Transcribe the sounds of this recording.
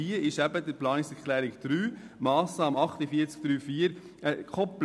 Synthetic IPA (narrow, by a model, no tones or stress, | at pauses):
iːəɪʃæbəd̪əɾplɑːnɪsɛkʰlɛːɾɪkd̪̥ɾyːmɑːsnɑːmɑχt̪əfiːəɾt͡sk̚d̪̥ɾyːfiːəɾ | ɛkʰɔpl